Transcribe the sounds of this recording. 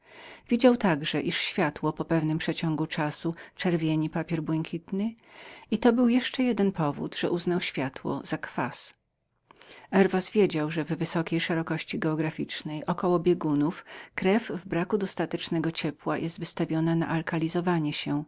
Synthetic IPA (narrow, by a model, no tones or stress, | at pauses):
vʲid͡ʑawt̪aɡʐɛʔiʂɕfʲjat̪wɔpɔpɛvnɘmpʂɛt͡ɕɔŋɡut͡ʂasut͡ʂɛɾvʲjeɲipapʲjɛɾbwɛŋkʲit̪nɘit̪ɔbɘwjɛʂt͡ʂɛjɛd̪ɛnpʰɔvṵd̪ʐ̥ɛʔuznawɕfʲjat̪wɔ̰z̥akfas | ʔɛɾvasvʲjed͡ʑawʐɛvːɘsɔkʲejʂɛɾɔkɔɕt͡ɕiɡɛɔɡɾafʲit͡ʂnɛjʔɔkɔwɔbʲjeɡunufkɾɛvːbɾakud̪ɔst̪at̪ɛt͡ʂnɛɡɔt͡ɕɛpwajʔɛst̪vɘst̪avʲjɔnana̰ʔalkalʲizɔvaɲɛɕɛ